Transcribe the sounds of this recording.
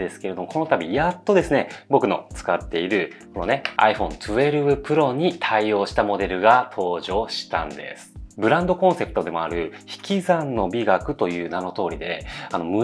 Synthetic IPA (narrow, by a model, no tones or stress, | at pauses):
d̪e̞sɨ̥ke̞ɾe̞d̪omo̞ko̞no̞t̪abʲijat̪ːo̞d̪e̞sɨne̞bo̞kɯ̟no̞̰t͡sɨ̥kat̪ːe̞iɾɯ̟ | ko̞no̞ne̞a̰iɸõ̞nt͡sɨe̞ɾɯ̟bɯ̟pɯ̟ɾo̞ɲ̟it̪ʰaio̞ːɕi̥t̪amo̞d̪e̞ɾɯ̟ɡat̪ʰo̞ːʑo̞ːɕi̥t̪ã̰nd̪e̞̰sɨ̥bɯ̟ɾãnd̪o̞kõ̞ɰ̃se̞pɯ̟̥t̪o̞d̪e̞mo̞a̰ɾɯ̟çi̥kʲizãnːo̞bʲiɡakɯ̟t̪o̞jɯ̟ːnano̞t̪o̞ːɾʲid̪e̞ano̞mɯ̟